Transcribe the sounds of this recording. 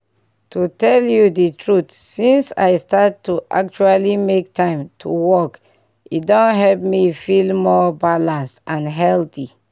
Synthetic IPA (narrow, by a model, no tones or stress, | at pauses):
tʰutɛljuditʰɹutsĩnsa̰ɪstattːuʔa̰k̚t͡ʃualimek̚tʰãɪ̃mtʰuwɔk | idɔ̃nɦɛlp̚mifilmɔbalãnstãnɦɛlti